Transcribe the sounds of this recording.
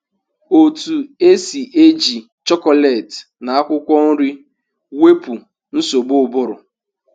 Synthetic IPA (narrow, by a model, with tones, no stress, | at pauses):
o˨tu˨e˦si˨ʔe˦d͡ʒi˨ | t͡ʃɔ˦kɔ˦lɛ˨t | na˨a˦kʷʊ˦kʷɔ˦n̩˦ɾi˦ | we˦pu˨ | n̩˦so˨ɡ͡bʊ˦˨bʊ˦ɾʊ˨